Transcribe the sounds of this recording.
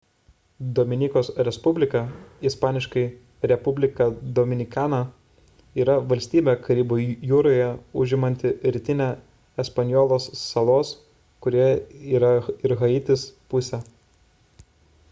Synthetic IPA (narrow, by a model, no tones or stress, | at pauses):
d̪ɔːmʲɪnʲiːkoːsɾʲɛspʊbʲlʲɪkɑispɑːnʲɪʃkɐɪ | ɾʲɛpʊbʲlʲɪkɑd̪ɔmʲɪnʲɪkɑːnɐ | iːɾɐʋɐlʲsʲt̪ʲiːbʲekɐɾʲiːboːjuːɾoːjɛʊʒʲɪmɐnʲt̪ʲɪɾʲɪt̪ʲɪnʲɛ | ɛspɐnʲjɔːlˠoːsːɐlˠoːs | kʊɾʲiːiːɾɐɪɾɣɐɪt̪ʲɪspʊsʲɛ